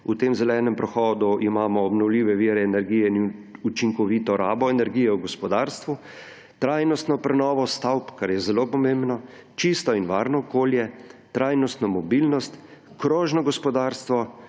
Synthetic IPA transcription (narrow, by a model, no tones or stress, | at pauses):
ut̪emzɛlɛnɛmpɾɛxɔːd̪uʔimaːmɔːbnɔwliːʋɛʋiɾɛːnɛɾɡijɛut͡ʃiŋkɔʋit̪ɔɾaːbɔɛnɛɾɡijɛuɡɔspɔd̪aːɾst̪ʋu | t̪ɾaːjnɔst̪nɔpɾɛnɔːʋɔst̪awpkaɾjɛzɛlopɔmẽmbnɔt͡ʃist̪ɔinʋaːɾnɔːkoːljɛt̪ɾaːjnɔst̪nɔmɔbilnɔst̪ | kɾoːʒnɔɡɔspɔd̪aːɾst̪ʋɔ